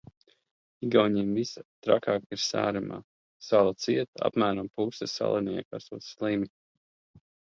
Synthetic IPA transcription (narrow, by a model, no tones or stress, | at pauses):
iɡawɲiːmvisat̪ɾakaːkiɾsa̰ːɾama̰ː | salˠat̪siɛt̪a̰pmæːɾampusɛsa̰lˠiniɛ̰ka̰suɔt̪sslˠimi